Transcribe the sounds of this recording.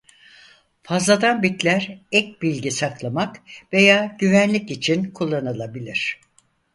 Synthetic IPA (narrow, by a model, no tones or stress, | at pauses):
fazlˠad̪anbit̪lʲæɾɛc̚bilʲɟisaklˠamakve̞jaːɟ̥yvænlʲicit͡ʃʰinkʰulˠːanɯlˠabilʲiɾ̝̥